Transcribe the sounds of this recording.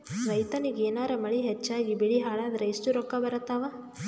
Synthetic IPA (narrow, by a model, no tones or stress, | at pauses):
ɾɐjt̪ɐniɡeːnaːɾɐmɐɭiɦet͡ʃːaːɡibiɽiɦaːɭaːd̪ɐɾeisʈuɾɔkːɐbɐɾɐt̪ːaːʋa